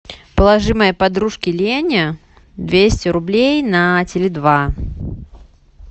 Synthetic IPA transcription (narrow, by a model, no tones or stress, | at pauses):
pəlˠaʐɨməjəpad̪ɾuʂkʲɪlʲenʲə | d̪vʲesʲtʲɪɾʊblʲejnɐt͡sʲɪlʲɪd̪va